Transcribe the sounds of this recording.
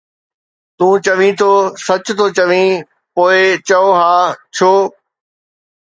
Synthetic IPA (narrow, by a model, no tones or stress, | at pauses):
t̪ũːt͡ɕɐʋĩt̪ʰoːsɐt͡ɕt̪ʰoːt͡ɕɐʋĩ | poːɪt͡ɕɐoɦaːt͡ɕʰoː